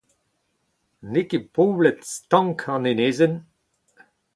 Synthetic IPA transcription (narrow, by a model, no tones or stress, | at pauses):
nekepoːblɛtst̪ɑ̃ŋkʰãneneːzən